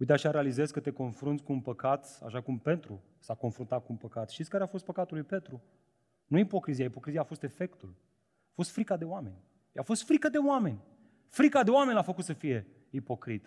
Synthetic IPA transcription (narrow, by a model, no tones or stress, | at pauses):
ujt̪aʃaɾealize̞zkət̪e̞ko̞nfɾunt̪sʲkuːnpəkat̪a̰ʃakumpe̞nt̪ɾu | sako̞nfɾunt̪at̪̚kuunpəkat̪ʃt̪it̪sʲkaɾeafo̞st̪pəkat̪ulujpet̪ɾu | nuipo̞kɾizijaipo̞kɾiziaːfo̞st̪e̞fe̞kt̪ul | afo̞st̪fɾikad̪e̞owame̞nʲ | afo̞st̪fɾikəd̪e̞oame̞nʲ | fɾikad̪e̞oame̞nʲafəkut̪səfije̞ | ipo̞kɾit̪